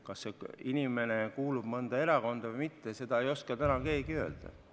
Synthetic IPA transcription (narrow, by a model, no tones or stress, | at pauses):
kɑsːeinʲime̞ne̞kuːlub̥mɤnd̪ɑe̞ɾɑko̞nd̪̥ɑvɑjmit̪ːe̞se̞d̪ɑe̞jo̞skɑt̪ænɑke̞ːɡiø̞ːld̪̥ɑ̰